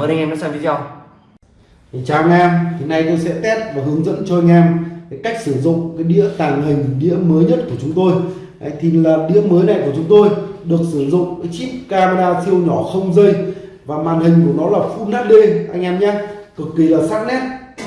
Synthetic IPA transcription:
ʔa˧ŋʔɛː˧nɔ˨˦saː˧mvi˨˦zɔ˧w | t͡ɕaː˨˩˨a˧ŋʔɛː˧mt̪ʰi˨˩na˧jt̪o˧jsɛ̰˧˥t̪ɛ˦˥p̚vaː˨˩ɦɨ˨˦əŋzə̰˧˥nt͡ɕɔ˧a˧jŋ̟ʔɛ˧mkːjka˦˥jk̚sɨ˧˩zʊ̰˧˨ŋ͡mkaː˨˦jɗḭ˧˥ət̪aː˨˩ŋhï˨˩ŋ̟ɗḭ˧˥əməː˨˦jɲə˦˥t̚ku˧˩ət͡ɕʊ˨˦ŋ͡mt̪o˧j | ʔə˨˦jt̪ʰi˨˩laː˨˩ɗḭ˧˥əməː˨˦jna˨˩jku˧˩ət͡ɕʊ˨˦ŋ͡mt̪o˧jɗɨ˨˩ək̚sɨ˧˩zʊ̰˧˨ŋ͡mkaː˨˦jt͡ɕi˦˥p̚kaː˧ma˧ɗaː˧t̪ʰi˧əwɲɔ˧˩xə˧wŋ͡mzə˧j | vaː˨˩maː˨˩nhï˨˩ŋ̟ku˧˩ənɔ˨˦laː˨˩fṵ˧˥naː˦˥t̚ɗe˧ʔa˧jŋ̟ʔɛ˧mɲaː˧kɨ˨˩kːi˨˩laː˨˩saː˦˥t̚nɛ˦˥t̚

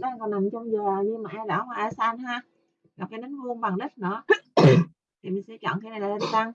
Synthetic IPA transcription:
ɗa˨˧˦kɔ˨˩na˨˩mt͡ɕɔ˧wŋ͡mzəː˨˩ɲɨ˧maː˨ʔɛ˧la̰ː˧˩˦waː˧ʔaː˧˩saː˧nhaː˧ | ŋa˨˩p̚kaː˨˦nɗɨ˨˦ŋvu˧ənɓa˨˩ŋɗə˦˥t̚nɨ̰˧˩˦ | t̪ʰi˨˩mï˨˩ŋsɛ̰˧˥˦t͡ɕɔ̰˧˨ŋxi˧˦na˨˩jlaː˨˩ə˧˩sa˧ŋ

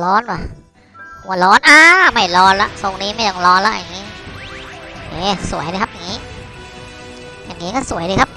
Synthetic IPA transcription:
lɔː˦˥nwaː˧˩ | ku˨˩˦lɔː˦˥nʔaː˧˩ma˥˩jlɔː˦˥nla̰˦˥ʔso˧ŋniː˦˥ma˥˩jt̪ɔ˥˩ŋlɔː˦˥nla̰˦˥ʔjaː˨˩ŋiː˦˥ | ʔeː˦˧˩su˨˩˦əjɾɯː˧kʰa˦˥p̚jaː˨˩ŋːiː˦˥ | jaː˨˩ŋːiː˦˥kɔː˥˩su˨˩˦əjɾɯː˧kʰa˦˥p̚

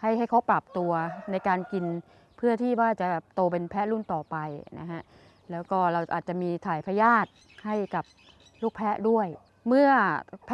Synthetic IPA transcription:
ha˥˩jɦa˥˩jkʰa˦˥wpa˨˩p̚t̪u˧ɐna˧jkaː˧nki˧n | pʰɯ˥˩ɐt̪ʰiː˥˩waː˥˩t͡ɕa˨˩ɛː˨˩p̚t̪oː˧p̬e˧npʰɛ˦˥lu˥˩nt̪ɔː˨˩pa˧jna̰˦˥kʰa˦˥ʔ | lɛː˦˥wkɔː˥˩ɾa˧wʔa̰ː˨˩t̪̚t͡ɕa˨˩ʔmiː˧t̪ʰaː˨˩jpʰa˧jaː˥˩t̪̚ | ha˥˩jka˨˩p̚ | luː˥˩k̚pʰɛ˦˥ʔdu˥˩əj | mɯ˥˩ɐpʰ

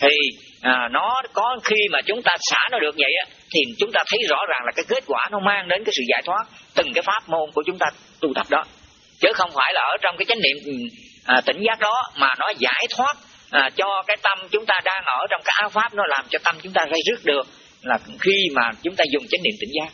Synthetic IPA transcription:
t̪ʰi˨˩ | ʔaː˨˩nɔ˨˦kɔ˨˦xi˧maː˨˩t͡ɕʊ˨˦ŋ͡mt̪aː˧sa̰ː˧˩nɔ˨˦ɗɨ˨˩ək̚və̰˧˨jʔaː˨˦ | t̪ʰi˨˩t͡ɕʊ˨˦ŋ͡mt̪aː˧t̪ʰə˨˦jzɔ̰˧˥zaː˨˩ŋlaː˨˩kaː˨˦jke˦˥t̚kwaː˧˩nɔ˨˦maː˧ŋɗe˨˦nkaː˨˦jsɨ̰˧˨zaː˧˩jt̪ʰwaː˦˥t̚t̪ɨ˨˩ŋkaː˨˦jfaː˦˥p̚mo˧nku˧˩ət͡ɕʊ˨˦ŋ͡mt̪aː˧ | t̪u˧t̪ə˨˩p̚ɗɔ˨˦ | t͡ɕəː˨˦xə˧wŋ͡mfaː˧˩jlaː˨˩ʔəː˧˩t͡ɕɔ˧wŋ͡mkaː˨˦jt͡ɕa˨˦ŋ̟nḭ˧˨əmʔːt̪ï˧˩ŋ̟zaː˦˥k̚ɗɔ˨˦maː˨˩nɔ˨˦zaː˧˩jt̪ʰwaː˦˥t̚ː | t͡ɕɔ˧kaː˨˦jt̪ə˧mt͡ɕʊ˨˦ŋ͡mt̪aː˧ɗaː˧ŋʔəː˧˩t͡ɕɔ˧wŋ͡mkaː˦˥kʔaː˨˦wfaː˦˥p̚nɔ˨˦laː˨˩mt͡ɕɔ˧t̪ə˧mt͡ɕʊ˨˦ŋ͡mt̪aː˧za˧jzɨ˦˥ək̚ɗɨ˨˩ək̚ | laː˨˩xi˧maː˨˩t͡ɕʊ˨˦ŋ͡mt̪aː˧zʊ˨˩ŋ͡mt͡ɕa˨˦˥ŋ̟nḭ˧˨ət̪ï˧˩ŋ̟zaː˦˥k̚

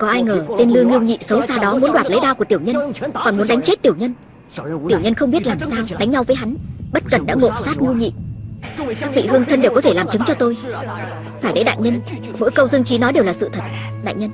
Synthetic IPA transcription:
kɔ˨˦ʔaː˧jŋəː˨˩t̪e˧nlɨ˧əŋi˧əwɲḭ˧˨sə˨˦wsaː˧ɗɔ˨˦mu˨˦ənɗwaː˨˩t̚lə˨˦jɗaː˧wku˧˩ət̪i˧˩əwɲə˧nkɔ˨˩nmu˨˦ənɗa˨˦ŋ̟t͡ɕe˦˥t̚t̪i˨˩əwɲə˧n | t̪i˨˩əwɲə˧nxə˧wŋ͡mɓi˦˥ət̚laː˨˩msaː˧wt̪a˨˦jŋ̟ɲa˧wvəː˨˦jɦa˨˦nɓə˦˥t̚kə˨˩nɗa̰ː˧˥ŋo̰˧˨saː˦˥t̚ŋi˧wɲḭ˧˨ | kaː˦˥k̚vḭ˧˨hɨ˧əŋt̪ʰə˧nɗe˨˩wkɔ˨˦t̪ʰe˧˩laː˨˩mt͡ɕɨ˨˦ŋt͡ɕɔ˧t̪o˧j | faː˧˩jɗə̰˨˦jɗa̰ː˧˨jɲə˧n | mo̰˧˥jkə˧wzɨ˧ŋt͡ɕi˨˦nɔ˨˦ɗe˨˩wlaː˨˩sɨ̰˧˨t̪ʰə˨˩t̚ | ɗa̰ː˧˨jɲə˧n

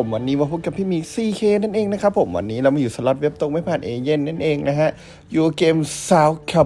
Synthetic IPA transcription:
o˩˦mwaː˧nːiː˦˥mɔː˧pʰu˦˥˩ka˧˩pʰːiː˥˩˨miː˧siː˧˩kʰeː˧na˥˩nʔeː˧ŋna˦˥kʰa˦˥pʰːo˩˦mwa̰˧nːiː˦˥lɛː˧wma˧juː˨˩sa˧˩lɔ˦t̪̚we˦˥p̚t̪o˧ŋma˧˥˩jpʰaː˧˩nʔeː˧je˧˥˩nːa˥˩nʔeː˧ŋna˦˥ɦʰa˧˥ʔ | juː˧˩˧keː˧msaː˦˥wkʰɛ˧˩

